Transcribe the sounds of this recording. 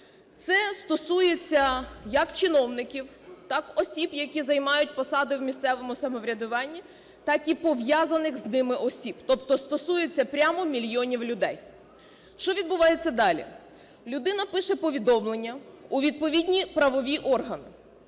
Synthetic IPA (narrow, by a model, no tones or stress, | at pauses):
t̪sɛst̪ɔsujet͡sʲːɐjɐkt͡ʃɪnɔwnɪkʲiw | t̪ɑkɔsʲibjɐkʲizɐjmɑjʊt̚ʲpɔsɑd̪ɪwmʲist̪ɛʋɔmʊsɐmɔʋɾʲɐd̪ʊʋɑnʲːi | t̪ɑkipɔʋjazɐnɪxznɪmɪʔɔsʲibt̪ɔpt̪ɔst̪ɔsujet͡sʲːɐpɾʲamɔmʲilʲjɔnʲiwlʲʊd̪ɛj | ʃt͡ʃɔʋʲid̪̚bʊʋɑjet͡sʲːɐd̪ɑlʲḭ | lʲʊd̪ɪnɐpɪʃɛpɔʋʲid̪ɔmlˠenʲːɐuʋʲid̪̚pɔʋʲidʲnʲipɾɐʋɔʋʲiʔɔrɦɐnɪ